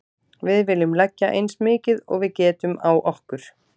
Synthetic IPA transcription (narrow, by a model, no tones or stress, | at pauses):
vɪðvɪːlʏmlɛcːaʔḛjnsmɪːcɪðɔ̰ɣvɪðcɛːt̪ʏmawʔɔhkʏɾ̥